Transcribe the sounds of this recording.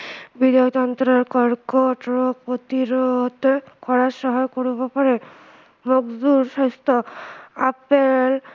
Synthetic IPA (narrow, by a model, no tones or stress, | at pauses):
bid̪t̪ɔnt̪ɾɔɾkɔɾkɔʈɾɔpot̪iɾɔɦt̪ɔkɔɹasɔɦɔjkoɹubɔpaɾe | moɡduɾsɔst̪ɔapel